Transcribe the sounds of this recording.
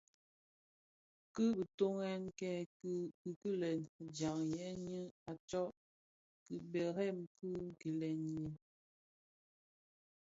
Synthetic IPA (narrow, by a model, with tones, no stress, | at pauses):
kɨ˦bə˨to˦ŋɛ˦nkɛ˦˨˦ | kɨ˦lɛ˨n˨d͡ʒa˨ŋjɛ˨˦ɲi˦a˨t͡ʃɔ˦ʔ | kɨ˨bɛ˨ɾɛ˦˨mpɨ˦ɡi˨lɛ˨njɛ˨